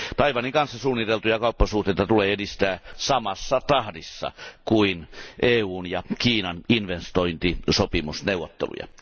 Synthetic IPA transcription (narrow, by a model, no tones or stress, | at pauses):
t̪ɑiʋɑniŋkɑnsːɑsuːnːit̪elt̪ujɑkɑˑupːɑsuht̪eit̪ɑt̪uleːedist̪æːsɑmɑsːɑt̪ɑhdisːɑ̰kuinʔeːuːnjɑkiːnɑninʋenst̪oint̪isopimusneuwʋˑot̪ːḛlṵjɑ̰